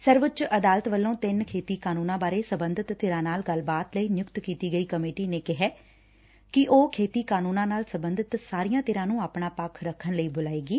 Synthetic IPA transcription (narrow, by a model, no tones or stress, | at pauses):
səɾʋət͡ʃəd̪aːlət̪ʋəlːõːt̪ɪnkʰeːt̪iːkaːnũːnãːbaːɾeːsəbənd̪ət̪ːeːɾãːnaːlɡəlbaːt̪ləiːnɪjʊkt̪kiːt̪iːɡəiːkəmeːʈiːneːkɪɦɛː | kɪʔoːkʰeːt̪iːkaːnũːnãːnaːlsəbənd̪ʱət̪saːɾijãːt̪eːɾãːnũːaːpɳaːpakʰɾəkʰːənləiːbʊlaːeːɡiː